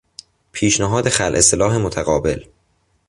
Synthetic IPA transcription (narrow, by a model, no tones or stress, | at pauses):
pʰiːʃnæɦɒːd̪e̞xælʔeselɒːɦemot̪ʰæɣɒːbe̞l